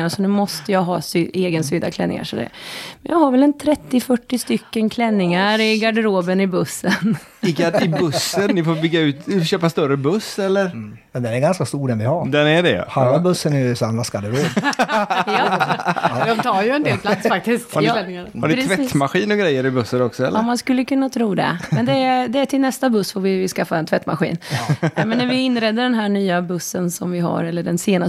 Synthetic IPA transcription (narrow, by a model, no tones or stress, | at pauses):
aɾsɔnʉ̟ːmɔst̪əjɑɦɑ̰ːsyeːɡənsyːd̪a̰kʰlɛnːɪ̰ŋa̰ʂɔd̪ɛ̰mɛnjɑ̰ːɡhaɾvɛlɛnt̪ʰɾɛt̪ːɪfœʈːɪst̪ʏkːənkʰlɛnːɪŋaɾɪɡaɖəɾoːbənɪbɵsːən | ɪɡaɪbɵsːənːɪfoːbʏɡːaʉ̟ːt̪ɕøːpast̪œɾəbɵsːɛlːəɾ | mɛnd̪ɛnɛɾɡanskast̪uːɾɛnvɪhaɾd̪ɛnæɖɛ̰halːabɵsːənɛjɵsamlasɡaɖəɾoː | d̪ɔmt̪ʰɑːɾjɵɛnd̪eːlpʰlat̪sfak̚t̪ɪskt̪ːɛlɪŋanhanɪɾtʰvɛt̪ːmaɧiːnɔɡɾɛjːəɾɪbɵsːəɾɔksɔɛ̰lmanskɵlːəkʰɵnːat̪ʰɾuːd̪ɛ̰ɛnd̪ɛd̪ɛæʈʰɪlnɛst̪abɵsːfoɾvɪɪskafːaɛnt̪vɛt̪ːma̰ɧḭːnmɛnːæɾvɪɪnːɾɛd̪ːəɖɛnɦæːɳyːabɵsːənsɔmvɪɦa̰ɾɛlːəɖɛnseːna